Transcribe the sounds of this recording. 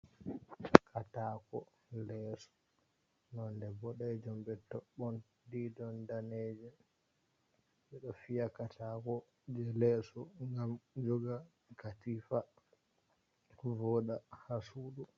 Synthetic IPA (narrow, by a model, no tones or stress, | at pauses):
kʰatakɔ | lɛsɔ̥ | nɔndɛbɔɗɛɛd͡ʒɔmbɛtɔɓːɔn | didɔndaned͡ʒɛ | ɓɛɗɔfijakatʰakɔ | d͡ʒɛlɛsɔŋɡamd͡ʒɔɡa | katifa | vɔɗahasuɗu